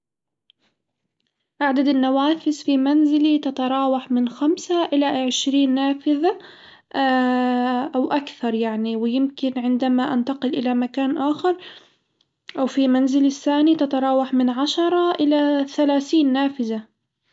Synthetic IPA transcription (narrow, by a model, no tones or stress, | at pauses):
ʔaʕd̪ad̪anːawaːfɪsfimanzɪlit̪at̪ɑɾˤɑːwaħmɪnxamsaʔɪlaʕɪʃɾiːnːaːfɪða | ʔawʔakθɑɾˤjaʕniwɪjɪmkɪnʕɪnd̪amaʔant̪ɑqɪlʔɪlamakaːnʔaːxɪɾˤ | ʔawfimanzɪlɪθːaːnit̪at̪ɑɾˤɑːwaħmɪnʕaʃɑɾˤɑʔɪlaθalaːθiːnːaːfɪða